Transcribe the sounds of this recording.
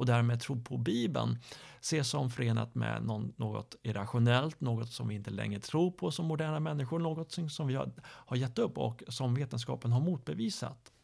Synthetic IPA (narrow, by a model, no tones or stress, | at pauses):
ɔd̪æːɾmeːd̪̚t̪ʰɾuːɾpʰɔbiːbə̰nseːʂɔmfœɾeːna̰t̪mɛ̰nɔnːoːɡɔ̰t̪ɪɾaɧʊnɛlt̪noːɡɔt̪sɔmvɪɪnt̪əlɛ̰ŋːɾət̪ʰɾuːɾpʰɔsɔmːʊd̪æːɳamɛnːɪɧʊɾɳoːɡɔt̪ːɪŋsɔmvɪhhaɾjɛt̪ːɵpːɔ̰ksɔmveːt̪ənskɑ̰ːpənɦaɾmuːt̪̚bɛviːsa̰t̪